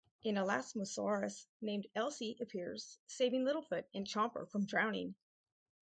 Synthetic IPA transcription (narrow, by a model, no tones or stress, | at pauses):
ʔɨ̃nəlæ̰sməsɑɹɨsnẽɪ̃mdɛlˠsiʔɨpʰɪɹz̥seɪvɪ̃ŋlɪɾl̩ˠfʊɾɨ̃nt͡ʃʰɑ̃mpə̰˞fɹʌ̃mdɹãʊ̃nɪ̰̃ŋ